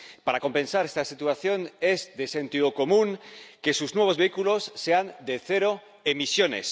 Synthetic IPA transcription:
paɾako̞mpẽ̞nsaɾest̪asit̪uaθjo̞ne̞zðe̞se̞nt̪iðoko̞mũŋke̞suznwe̞β̞o̞zβe̞ikulo̞sːe̞and̪e̞θe̞ɾo | emisjo̞ne̞̰s

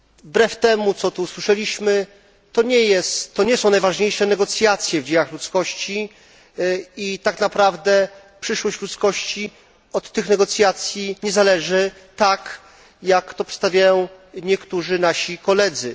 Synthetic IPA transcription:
bɾɛft̪ɛmut̪sɔt̪uswɘʂɛlʲiɕmɘ | t̪ɔɲɛjɛst̪ːɔɲɛsɔ̃w̃najvaʐɲejʂɛnɛɡɔt̪sʲjat̪sʲjɛvd͡ʑejaxlut̪skɔɕt͡ɕi | it̪aknapɾavd̪ɛ | pʂɘʂwɔɕt͡ɕlut̪skɔɕt͡ɕi | ɔt̪ːɘxnɛɡɔt̪sʲjat̪sʲjiɲɛzalɛʐɘ | t̪ak | jakt̪ɔpst̪avʲjajɔ̃w̃ | ɲɛkt̪uʐɘnaɕikɔlɛd̪zɘ̰

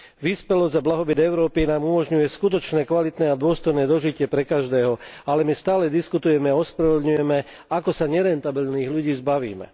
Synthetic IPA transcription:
ʋiːspɛlɔzɟablaɦɔbid̪ɛʊɾɔːpinaːmumɔʒɲujɛskut̪̬ɔt͡ʃnɛːkʋalit̪nɛːad̪ʊɔst̪ɔjnɛːd̪ɔʒicɪɛpɾɛkaʒd̪ɛːɦɔalɛmist̪aːlɛd̪iskut̪ujɛmɛaɔspɾaʋɛd̪ɲujɛmɛ | akɔsaɲɛɾɛnt̪abilniːɣʎuɟiːzbaʋḭːmɛ̰

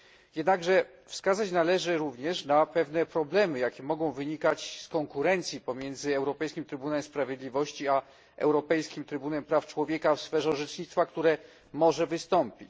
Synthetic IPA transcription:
jɛd̪naɡʐɛ | fskazat͡ɕnalɛʐɘɾuvɲɛʂnapɛvn̪ɛpɾɔblɛmɘjakʲɛmɔɡɔ̃w̃vɘɲikat͡ɕskɔŋkuɾɛnt̪sʲjipɔmʲjɛnd̪zɘɛwɾɔpɛjskʲimt̪ɾɘbunaɛmspɾavʲjed̪lʲivɔɕt͡ɕia | ɛ̰wɾɔpɛjskʲimt̪ɾɘbunɛmpɾaft͡ʂwɔvʲjɛkafsfɛʐɛʐɛt͡ʂɲit̪t̪fakt̪uɾɛ | mɔʐɛvɘst̪ɔmpʲit͡ɕ

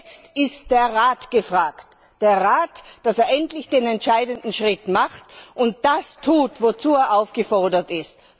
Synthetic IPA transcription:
t͡stɪst̚d̥eːɐʁaːtɡ̥əfʁ̥aːkt | d̥eːɐʁaːtd̥aseːɐʔɛntlɪçd̥eːnɛntʃaɪdəndn̩ʃʁ̥ɪtmaχtʔʊnt̚d̥astʰuːtvot͡suːeːɐʔaʊfɡ̥əfɔɐdɐtɪst̚

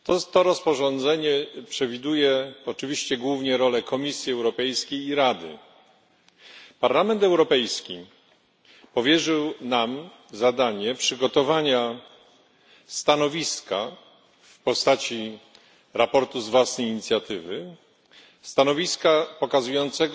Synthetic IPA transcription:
t̪ɔt̪ɔɾɔspɔʐɔnd̪zɛɲɛpʂɛvʲid̪ujɛɔt͡ʂɘvʲiɕt͡ɕɛɡwuvɲɛɾɔlɛkɔmʲisʲjiɛwɾɔpɛjskʲejiɾad̪ɘ̰ | paɾlamɛnt̪ɛwɾɔpɛjskʲi | pɔvʲjɛʐɘwnam | zad̪aɲɛpʂɘɡɔt̪ɔvaɲa | st̪anɔvʲiska | fpɔst̪at͡ɕi | ɾapɔɾt̪uzvwasnɛjiɲit̪sʲjat̪ɘvɘ | st̪anɔvʲiskapɔkazujɔnt̪sɛɡ

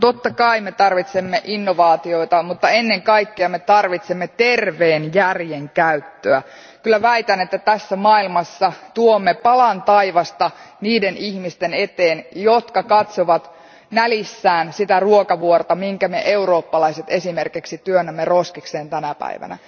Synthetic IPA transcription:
t̪ot̪ːɑkɑimet̪ɑrʋit̪semːeʔinːoʋɑːt̪io̞it̪ɑmut̪ːɑenːeŋkɑikːeɑmet̪ɑrʋit̪semːet̪erʋeːnjærjeŋkæyt̪ːøæ | kylːˑæʋæit̪ænet̪ːæt̪æsːæmɑːilmɑsːɑt̪uomːepɑlɑnt̪ɑiʋɑst̪ɑniːdenihmist̪ene̞t̪eːnjot̪kɑkɑt̪soʋɑt̪ | nælisːæːnsit̪æruokɑʋuort̪ɑmiŋkæmeʔeuroːpːɑlɑiset̪e̞simerkiksit̪yønːæmːeroskikseːnt̪ænæpæ̰iʋæ̰næ̰

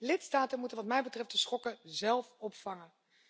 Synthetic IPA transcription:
lɪtstaːtənmutənʋɑtmɛjbətrɛftdəsχɔkəzɛlˠfɔpfɑŋən

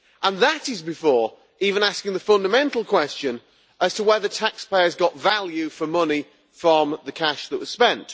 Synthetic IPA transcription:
ʔə̃nðətɪzbɪfɔːɹ | iːvə̃naskɪ̃ŋðəfʌ̃ndəmɛ̃ntˡl̩ˠkʰw̥ɛst͡ʃə̃n | ʔəz̥tʰəwɛðətʰakspʰeɪəzɡɒʔvalˠjʉfəmʊnɪ | fɹə̃mðəkʰaʃðəʔwʌz̥spɛ̃nt

